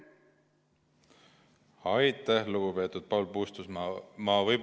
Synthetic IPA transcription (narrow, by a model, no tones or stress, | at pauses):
ɑjt̪ːˑæhluɡ̥upe̞ːt̪ud̪̥̚pɑwlpuːst̪usmɑːvɤjb